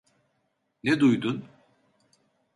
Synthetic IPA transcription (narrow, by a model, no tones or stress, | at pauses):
ned̪ujd̪ʊn